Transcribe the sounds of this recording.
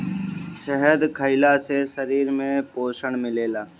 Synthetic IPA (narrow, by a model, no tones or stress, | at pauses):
ʃəɦəd̪kʰəɪlasesəɾiːɾmẽpoːʃəɳmɪleːlaː